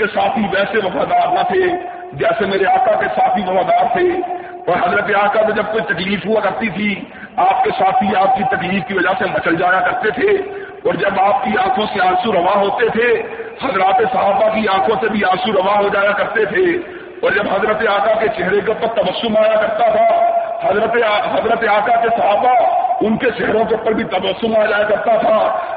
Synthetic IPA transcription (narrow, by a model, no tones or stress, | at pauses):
esaːt̪ʰiʋɛːseʋɐfaːd̪aːɾnat̪ʰe | d͡ʒɛːsemeːɾeaːkakesaːt̪̚ʰiʋɐfaːd̪aːɾt̪ʰe | ɔːɾɦɐzɾət̪̬eaːkat̪od͡ʒɐb̚koit̪ɐkliːfɦʊakɐɾt̪it̪ʰi | aːp̚kesaːt̪ʰiaːp̚kit̪ɐkliːfkiʋɐd͡ʒasebɐt͡ʃəld͡ʒaːjakɐɾt̪et̪ʰe | ɔːɾd͡ʒɐbaːp̚kiãːkʰõseãːsuɾɐʋaɦoːt̪et̪ʰehɐzɾaːt̪esɐɦaːbakiãːkʰõsebʱiãːsuɾɐʋaɦod͡ʒaːjakɐɾt̪et̪ʰe | ɔːɾd͡ʒɐbɦɐzɾət̪eaːkaket͡ʃɛɦɾek̬eʊpːəɾt̪ɐbəsːʊmaːjakɐɾt̪at̪ʰahɐzɾət̪eɦɐzɾət̪eaːkakesɐɦaːbaʊnket͡ʃɛɦɾõk̬eʊpəɾbʱit̪ɐbəsːumaːd͡ʒaːjakɐɾt̪at̪ʰaː